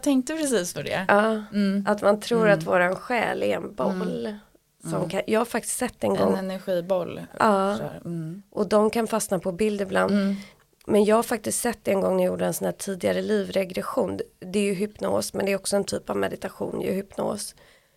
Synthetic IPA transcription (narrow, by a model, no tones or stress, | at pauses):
t̪ʰɛŋk̚t̪əpʰɾɛsiːsfɔɖɛ̰ɑːʔat̪mant̪ʰɾuːɾat̪voːɾaɛnɧɛ̰ːlɪɛ̰nbɔllː | sɔmkʰajʔɑːhaɾfak̚t̪ɪ̥st̪sɛt̪ːɛnɡɡɔ̰ŋːnɛɾɧiːbɔlːʔɑː | ʔɔd̪ɔmkʰanfasnapʰɔbɪld̪ɪbland̪ | mɛnjɑːɡhaɾfak̚t̪ɪskt̪sɛt̪ːɛɛnɡɔŋnɪjuːɖəɛnsɔnhæːʈʰiːd̪ɪɡaɾəliːvɾɛɡɾɛɧuːnd̪ɛːɾjɵɦʏpno̰ːsmɛnd̪ɛːɾɔksɔɛnt̪ʰyːpavmɛd̪ɪt̪aɧṵːnjɵ̰hʏpno̰ːs